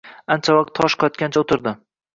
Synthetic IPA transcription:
ant͡ʃʰavɑq̚t̪ʰːɒʃqʰɑjɒt̪̚kʲant͡ʃʰaot̪ʰɪɾd̪ɪ

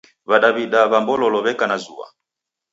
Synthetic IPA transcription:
βaɗaβiɗaβambɔlɔlɔβɛkanazuwa̰

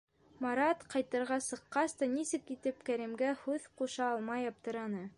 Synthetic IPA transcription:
mɑɾɑt̪qɑjt̪ɤ̆ɾʁɑsɤ̆qːɑst̪ɑnisɘkːit̪ɘpkæɾɘmɡæhʉðquʃɑɑlˠmɑjɑp̚t̪ɤ̆ɾɑnɤ

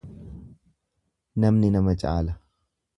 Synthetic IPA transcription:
nɐmnɪnɐmɐt͡ʃʼa̰ːlɐ

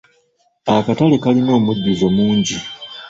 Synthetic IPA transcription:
akatale̞kalino̞ːmuɟːuzo̞muːɲɟi

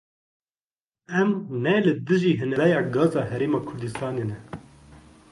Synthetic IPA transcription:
ɛmnɛlɨd̪ɨʒiːɦɨnɛlɛjɑːɡɑːzɑːɦɛɾeːmɑːkʰʊɾd̪ɨst̪ɑːneːnɛ

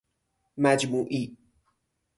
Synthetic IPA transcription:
mæd͡ʒmuːʔiː

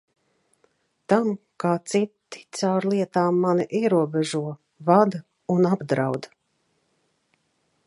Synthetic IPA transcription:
t̪am | kaːt̪sit̪ːi̥t̪sawɾlˠiɛt̪aːmːaniʔiɛɾuɔbɛʒuɔ | vad̪ | unabd̪ɾawd̪

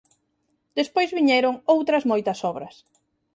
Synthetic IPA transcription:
d̪̥espojzβiɲɛɾoŋowt̪ɾɐzmojt̪ɐsɔβɾɐs

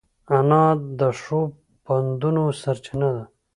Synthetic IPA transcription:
anɑd̪əʂo | pand̪unosaɾt͡ʃinad̪a

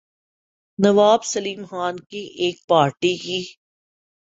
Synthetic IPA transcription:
nɐʋaːbsɐliːmxaːnkiʔeːk̚paːɾʈikiː

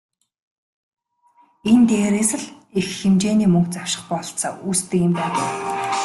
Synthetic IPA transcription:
ent̪eːɾeːsə̆ɮ | exxemt͡ɕeːniːmɵŋkt͡saw̥ʃɪ̥̆χpɔɞ̆ɬt͡sa̰ːʔuːst̪ɘ̆kɪ̆mpæːt̪ə̰̆w

